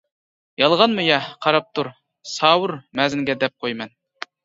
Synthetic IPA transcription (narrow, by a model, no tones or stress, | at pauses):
jɑlˠʁɑnmujɑqʰɑɾɑp̚t̪ʰuɾ | sɑːwʊɾmɛzɪŋɡʲɛd̪ɛp̚qʰojmɛn